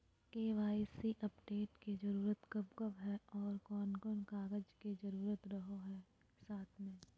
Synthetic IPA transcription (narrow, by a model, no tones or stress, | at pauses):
keːʋaːisiʔɐpɖeːʈked͡ʒɐɾuːɾət̪kɐbkəbɦɛɔːɾkɔːnkɔːnkaːɡəd͡ʒked͡ʒɐɾuːɾət̪ɾɐɦoɦɛː | saːt̪ʰmẽː